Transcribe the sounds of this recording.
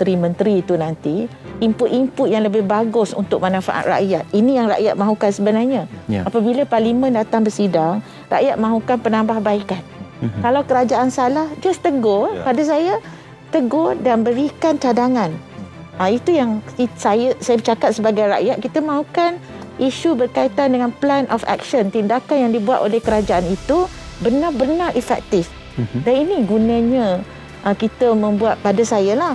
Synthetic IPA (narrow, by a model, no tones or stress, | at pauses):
t̪ɾimənt̪ɾiːt̪unant̪iimpʊʔ̪impʊt̪̚jaŋləbɪhbaɡʊsṵnt̪ʊk̚manãfa̰ʔa̰t̪̚ra̰ʔjat̪̚inijaŋra̰ʔjaʔ̪̚mãɦukansəbənarɲaapabilaparlimə̃ndat̪aŋbərsidaŋ | ra̰ʔjaʔ̪̚mãɦukanpənambahbaikan̚kalawkəɾad͡ʒaʔansalahd͡ʒast̪əɡɔpadas̬aja | t̪əɡɔdanbəɾikant͡ʃadaŋãn | ait̪ujaŋisajəsajəbət͡ʃakat̪̚səbaɡajɾa̰jaʔ̪̚kit̪əmãukanʔiʃubərkait̪andəŋãnplɛnʔɔ̰fɛ̰k̚ʃənt̪indakanjaŋdibuat̪olɛhkəɾad͡ʒaʔanit̪u | bərnarbərnarʔifɛk̚t̪ɪf | daniniɡunə̃ɲə̃ | ʔəkit̪əmə̃mbuat̪̚padasajalah